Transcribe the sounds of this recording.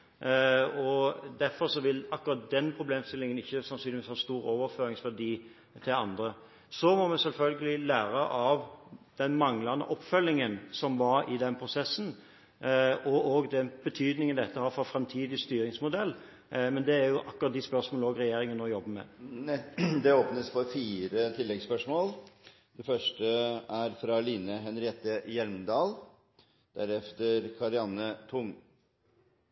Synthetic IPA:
ɔd̪æɾfɔɾʂɔʋɪlɑkːʉɾɑt̪̚d̪ɛnpʰɾʊbleːmst̪ɪlːɪŋənɪçːəsɑnsyːnlɪʋiːshɑːst̪uːɾoːʋəɾføːɾɪŋsfæd̪iː | t̪ʰɪlɑnd̪ɾə | sɔmɔmɛsɛlfœlɡəlɪlæːɾəʔɑʋd̪̥ɛnmɑŋlɑnə̰ʔɔpːfœlːɪŋənsɔmʋɑɾɪd̪ɛnpʰɾʊsɛsn̩ | ɔoːɡd̪ɛnb̥ət̪ʰyːd̪nɪŋənd̪ɛt̪ːəhɑːfɔfɾɛmt̪ʰiːd̪ɪst̪yːɾɪŋsmʊd̪ɛlː | mɛnd̪ɛæɾjʊʔɑkːʉɾɑt̪̚d̪ɪspœʁsmoːlɔːɡɾɛjeːɾɪŋənɔjɔbːəmɛ̰ | d̪ɛoːpnəsfɔɾfiːɾət̪ʰɪlːɛɡspœʂmoːl | d̪ɛfœʂʈəæɾfɾɑliːnəɦɛnɾɪɛt̪əjɛlmd̪ɑːl | d̪̥æɾɛft̪əɾkʰɑɾɪɑnːət̪ʰʊŋ

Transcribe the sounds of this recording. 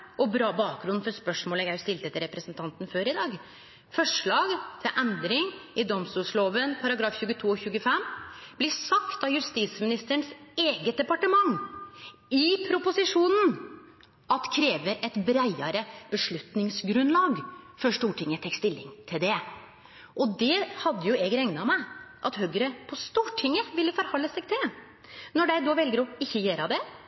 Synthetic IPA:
ʔɔbɾɑːbɑːk̚ɡɾʉn̩fɔɾspœʂmoːlɛɡæst̪ɪlt̪əɛt̪ːəɾɛpɾəsənt̪ʰɑnt̪n̩føːɾɪd̪ɑːɡ | fɔʂɭɑːɡt̪ʰɪʔɛnd̪ɾɪŋɪd̪ɔmst̪uːʂloːʋənpʰɑɾɑɡɾɑːfçʉːɡət̪ʰuːɔçʉːɡəfɛmb̥lɪsɑkt̪d̪ɑjʉst̪iːsmɪnɪst̪əɳseːɡət̪̚d̪ɛpɑʈəmɑŋ | ɪpʰɾʊpʊsɪʂuːnn̩ | ʔɑt̪kʰɾeːʋəɾɛt̪bɾæɪɑɾəb̥əʂɭʉt̪nɪŋsɡɾʉnlɑːɡfɔʂʈuːʈʰɪŋːət̪ʰɛkst̪ɪlːɪ̰ŋt̪ʰɪld̪ɛ | ʔɔd̪ɛhɑd̪ːəjʊɛɡɾɛŋnɑmæɪʔɑt̪høːɡəɾəpʰɔst̪uːʈʰɪŋːəʋɪlːəfɔɾhɑlːəsɛɡt̪ɛ | nɔɖæɪd̪oʋɛlɡəɾɔɪçːəjeːɾɑd̪ɛ

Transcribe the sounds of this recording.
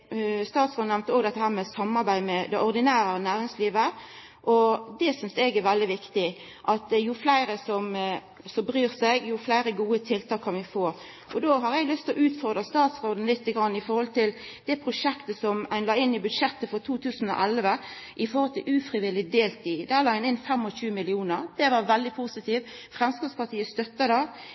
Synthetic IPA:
st̪ɑːt̪sʁoːd̪næʋnt̪əoːɡd̪ɛt̪ːəhæːɾmɛsɑmːɑɾbæɪmɛd̪ɛʔɔʁd̪ɪnæːɾənæːɾɪŋsliːʋə | ʔɔd̪ɛsʏnsɛɡæɾʋɛld̪ɪʋɪkt̪ɪ | ʔɑt̪jʊflæɪɾəsɔm | sɔmbɾyːɾsɛɡjʊflæɪɾəɡuːət̪ʰɪlt̪ʰɑːkʰːɑnʋɪfoːɾ | ʔɔd̪oːɦɑɾɛɡlʏst̪ʰlɔʔʉːt̪fɔʁd̪ʁəst̪ɑːt̪sɾoːd̪ən̩lɪt̪ːəɡɾɑnːɪfɔɾhɔlt̪ʰɪld̪ɛpʰɾʊʂɛkt̪əsɔmʔæɪnlɑːɪnːɪbʉd̪ʂɛt̪ːəfɔɾt̪ʰuːt̪ʰʉːsn̩ɔ̰ʔælʋə | ʔɪfɔɾhɔlt̪ʰɪlʔʉːfʁɪʋɪlɪd̪eːlt̪ɪd̪ɛælɑːæɪnɪnfɛmɔʃʉːmɪlɪuːnəɾd̪̥ɛʋɑʋɛld̪ɪpʰusɪt̪ʰiːʋfʁɛmskɑpspɑʈ̪ʰiːəst̪œt̪ːəd̪ɑ

